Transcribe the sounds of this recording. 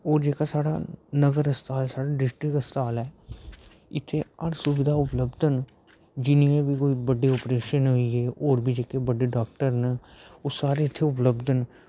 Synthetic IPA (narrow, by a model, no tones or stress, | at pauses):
oːɾd͡ʒeːkaːsaːɽa̰ːnəɡəɾəst̪ʰaːlsaːɽaːɖɪsʈɾɪkəst̪ʰaːlɛː | ɪt̪ʰːeːəɾsʊʋɪd̪ʱaːʊpləbd̪ən | d͡ʒɪniẽːbiːkoːiːbəɖeːɔːpɾeːʃənɦoiːeːoːɾbiːd͡ʒeːkebəɖeːɖaːk̚ʈəɾnɛoːsaːɾeɪt̪ʰːeʊpləbd̪ən